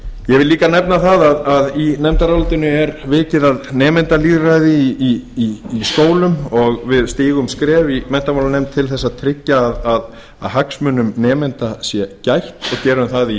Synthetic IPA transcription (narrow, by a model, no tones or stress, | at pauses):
jɛvɪlliːkanɛpnaθaðaðaðinɛmt̪aɾawlt̪ɪnʏɛɾvɪːcɪðaðnɛːmɛnt̪aliːðrajðɪiiːskoːwlʏmɔɣvɪðst̪iːɣʏmskɾɛːvimɛn̥t̪amawlanɛmt̪ʰːɪlθɛsːaðt̪ʰɾɪcːaːðað | a̰ðɦaksmʏnʏmnɛːmɛnt̪asjɛcajht̪ɔɣcɛːɾamθaði